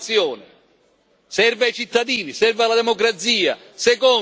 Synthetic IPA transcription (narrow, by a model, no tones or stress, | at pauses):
sjɔːnɪ | sɛrvajt͡ʃit̪ːad̪iːnisɛrvalad̪ɛmɔkɾat̪siːa̰ | sɛkɔ